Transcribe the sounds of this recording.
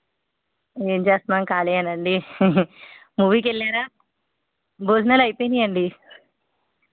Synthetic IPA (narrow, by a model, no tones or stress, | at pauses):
eːɲd͡ʒaːsmaːŋkaːleːɐnɐɳɖi | muːʋiːkeɭːaːɾaː | boːd͡ʒnɐlɐjpojnd̪iɐɳɖi